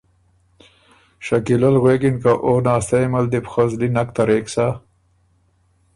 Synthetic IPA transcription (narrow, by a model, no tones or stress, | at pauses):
ʃakilalɣwekinkaʔonɑːst̪ajmald̪ipxozlinakt̪aɾeksa